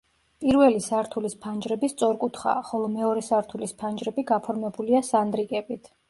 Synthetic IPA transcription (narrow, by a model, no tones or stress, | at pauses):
pʼiɾvɛlisaɾt̪ʰulispʰand͡ʒɾɛbist̪sʼɔɾkʼut̪ʰχa̰χɔlˠɔmɛɔɾɛsaɾt̪ʰulispʰand͡ʒɾɛbiɡapʰɔɾmɛbuliasand̪ɾikʼɛbit̪ʰ